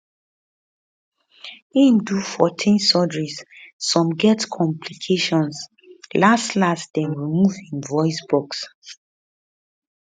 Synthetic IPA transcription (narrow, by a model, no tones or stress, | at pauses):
ĩmdufɔtʰĩnsɔdɹisːɔ̃mɡɛtkʰɔ̃mpʰlikʰeʃɔ̃ns | lastlastdɛ̃nɹimuvĩmvɔɪsbɔks